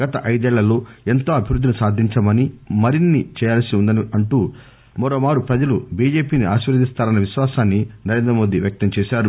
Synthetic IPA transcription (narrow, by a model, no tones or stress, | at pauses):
ɡɐt̪ɐʔɐjd̪ɛːɭːɐloːe̞nt̪oːɐbʱiʋɾud̪ʱːinusaːd̪ʱiɲt͡ʃɐmɐnimɐɾinːit͡ʃɛːjaːlɐsiund̪ɐniɐɳʈuː | mɐɾoːmaːɾupɾɐd͡ʒɐlubiːd͡ʒe̞ːpiːniaːʃʋɐɾɐd̪ist̪aːɾɐnːɐʋiʃʋaːsaːnːinɐɾeːnd̪ɾɐmo̞ːd̪iʋjɐk̚t̪ɐmt͡ʃɛːʃaːɾu